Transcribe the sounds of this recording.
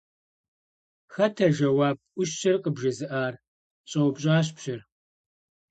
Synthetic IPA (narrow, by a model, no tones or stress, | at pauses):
xɐtʰɐʒɐwaːb̚ʔʷʊʃɕɐrqəbʒɐzɨʔaːr | ɕʼɐwbɕʼaːɕ̬pɕɪr